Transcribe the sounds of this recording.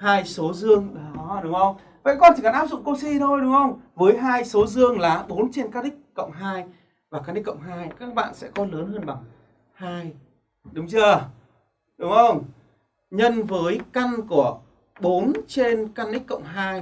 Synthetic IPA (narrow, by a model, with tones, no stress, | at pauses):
haː˧jso˨˦zɨ˧əŋɗɔ˨ɗʊ˨˦ŋ͡mʔə˧wŋ͡m | və̰˧˨jkɔ˧nt͡ɕi˨˩ka˧˩nʔaː˦˥p̚zʊ̰˧˨ŋ͡mkə˧wŋ͡msi˧t̪ʰo˧jɗʊ˨˦ŋ͡mhə˧wŋ͡mvəː˨˦jɦaː˧jso˨˦zɨ˧əŋlaː˨˩ɓo˨˦nt͡ɕe˧nkaː˦˥k̚ɗï˦˥k̟̚kə̰˧˨wŋ͡mɦaː˧j | vaː˨˩kaː˦˥knɗi˦˥kːə̰˧˨ŋ͡mɦaː˧jkaː˦˥k̚ɓa̰ː˧˨nsɛ̰˧˥kɔ˨˦ləː˨˦nɦəː˧nɓa˨˩ŋ | haː˧j | ɗʊ˨˦ŋ͡mt͡ɕɨ˧ə | ɗʊ˨˦ŋ͡mʔə˧wŋ͡m | ɲə˧nvəː˨˦jka˧ŋku˧˩ə | ɓo˨˦nt͡ɕe˧nka˧nɗï˦˥k̟̚ʲkə̰˧˨wŋ͡mɦaː˧j